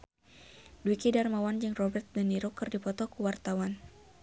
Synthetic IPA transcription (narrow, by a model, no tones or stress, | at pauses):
dwikidarmawand͡ʒɨŋrɔbɛrt̪̚dɛniɾɔkɨrdipɔt̪ɔkuwart̪awan